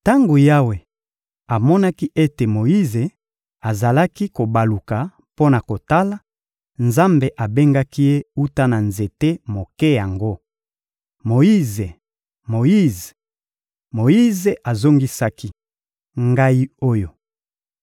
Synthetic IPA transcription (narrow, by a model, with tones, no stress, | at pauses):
ta˦ŋɡo˨ja˦we˨ | a˨mɔ˦na˦ki˦ʔe˦te˨mo˨ji˦ze˨ | a˨za˨la˦ki˦ko˨ba˨lu˨ka˨ | po˦na˨ko˨ta˦la˨ | nza˦mbe˨ʔa˨be˦ŋɡa˦ki˦je˦u˦ta˦na˨nze˨te˦mo˨kɛ˦ja˨ŋɡo˦ | mo˨ji˦ze˨ | mo˨ji˦ze˨ | mo˨ji˦ze˨ʔa˨zo˦ŋɡi˦sa˦ki˦ | ŋɡa˦i˦o˦jo˨